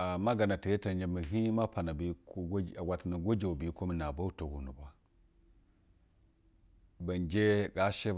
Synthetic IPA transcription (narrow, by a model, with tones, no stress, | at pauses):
ma˦ɡa˨na˨ti˨je˦ta˨nd͡ʒe˨mi˨ɦi˦ma˦pa˨na˨bi˨˦kɡa˨wʷa˨ta˨na˨ɡo˦d͡ʒe˨u˨bi˨˦ko˦mi˨na˨ba˦u˦to˨ɡu˨nu˨bʷa˦ | ba˨nd͡ʒe˦ɡa˦ʃe˦